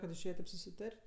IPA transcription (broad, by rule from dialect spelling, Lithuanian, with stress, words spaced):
kɐt ɪʃʲˈeːjɛ ˈtɐɪp sʊsʲɪˈtɐrʲtʲ